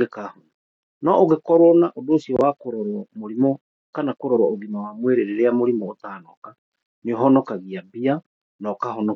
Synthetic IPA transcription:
ɣekahona | nɔʔoɣekɔɾwɔnaʔodoːsiɔwakoɾɔɾwɔmoɾimɔ | kanakoɾɔɾwɔoɣinawamweɾeɾeɾeamoɾimɔotaːnɔka | neɔɦɔnɔkaɣiabia | nɔkahɔnɔ

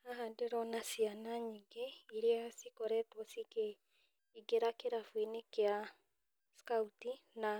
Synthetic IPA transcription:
aɦadeɾɔnasianaɲiŋɡeiɾeasikɔɾɛtwɔsiɡe | iɡeɾakeɾafwinekea | skautina

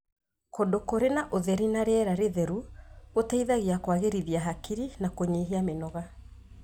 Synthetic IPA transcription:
kodokoɾenaʔoðɛɾinaɾeɛɾaɾeðɛɾuɣotaiðaɣiakwaɣeɾiðiaɦakiɾinakoɲeɦiamenɔɣa

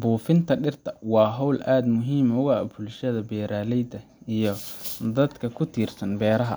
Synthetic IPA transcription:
buːfɪnt̪ʰɐɖɪrt̪ʰɐwɑːɦɔwlʔaːd̪mʊɦiːmʊɣaːbʊlʃɐðɐbɛːɾaːlɛjd̪ɐ | ijɞd̪ɐd̪kʰɐkʰʊt̪ʰiːrsɐnbɛːɾɐɦɐ̰

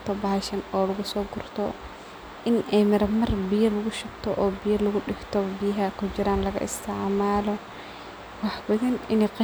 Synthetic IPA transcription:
t̪ʰɔbɐʃɐnɔːlɐɣʊsɔːɡʊrt̪ʰɔ | ʔɪnɛmɪɾɐmɐrbɪjɐlɐɣʊʃʊɡt̪ʰɔʔɔːbɪjɐlɐɣʊɗɪɡt̪ʰɔbijɦɐkʰʊt͡ʃɪɾaːnlɐɣɐ̰ʔɪ̰st̪ʰɪʕmaːlɔ | wɑħbɐðɐnɪniqɑ

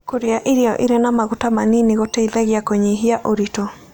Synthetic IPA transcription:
koɾeaʔiɾiɔ̰ʔiɾenamaɣutamaniniɣotɛiðɛɣjakoɲeɦiaʔoɾitɔ

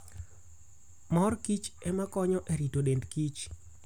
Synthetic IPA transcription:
mɔrkit͡ʃɛmakɔɲɔʔeɾitoɗendkit͡ʃ

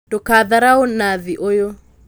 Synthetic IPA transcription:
dokaðaɾaonaðiʔojo

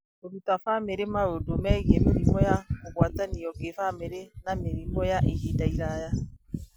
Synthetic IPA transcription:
oɾutafameɾemaɾodomɛɣɛmeɾimɔjaoɣwataniɔkefameɾenameɾimɔjaʔehidaiɾaja

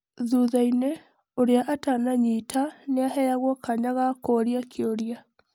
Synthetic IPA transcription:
ðuðaine | oɾeaʔatanaɲitʰaneahɛjaɣwɔkaɲaɣakoɾiakʰeoɾja

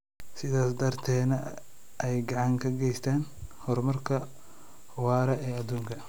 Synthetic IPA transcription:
sɪðaːsd̪ɐrt̪ʰɛːnɐ | ʔɛjɡɑʕɑŋkʰɐɡɛjst̪ʰaːnhɔrmɐrkʰɐ | wɑːɾɐɛːɐd̪uːŋkʰɐ

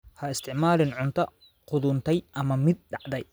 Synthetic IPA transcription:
hɐɪst̪ʰɪʕmaːlɪnʕʊnt̪ʰɐ | qʊðʊnt̪ʰɛjʔɐmɐmɪd̪̚ɖɑʕd̪ɛj

